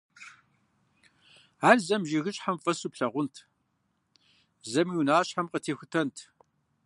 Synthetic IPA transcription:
aːrzɐmʒiɣɨɕʼħamfʼɐsupɬɐʁʷʊntʰ | zɐmiwnaːɕħamqətʰeːxʷʊtʰɐntʰ

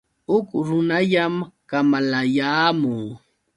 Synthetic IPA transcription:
ʊkɾʊnaʎamkamalajaːmʊŋ

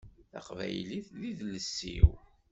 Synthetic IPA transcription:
θæ̰qvæ̰jliθðiðləsːḭw

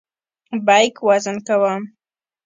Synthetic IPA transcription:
bajkwazənkawam

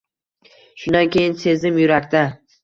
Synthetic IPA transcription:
ʃʊnd̪ankʲʰe̞jɪnse̞zɪmjʊɾakʲt̪a

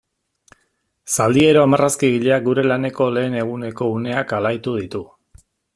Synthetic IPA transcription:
sald̪ie̞ɾo̞amaraskiɣiʎeak̚ɡuɾe̞lane̞ko̞le̞ːne̞ɣ̞une̞ko̞une̞akalajt̪uð̞it̪u

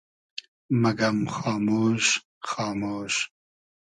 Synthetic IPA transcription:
mɐɡɐmxɑːmoːʃ | xɑːmoːʃ

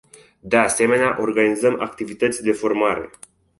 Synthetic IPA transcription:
d̪e̞ase̞me̞neaʔo̞rɡanizəma̰kt̪ivit̪ət̪sʲd̪e̞fo̞rmaɾe̞̰

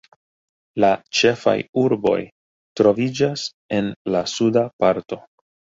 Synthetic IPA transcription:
lat͡ʃe̞fa̰juɾbo̞̰j | tɾo̞vid͡ʒas | e̞nlasudapaɾto̞

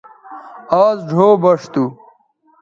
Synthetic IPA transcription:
aːzɖʱoːbɐʂt̪u

